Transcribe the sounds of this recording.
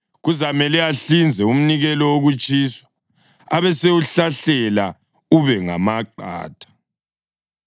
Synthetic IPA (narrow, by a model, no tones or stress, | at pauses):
ɣuzamɛlɛaɬind͡zʱɛum̩niɣɛlɔwoɣut͡ʃʼiswḁ | aβɛsewuɬaɬɛla | uβɛŋa̰maǃa̰ːtʰʼḁ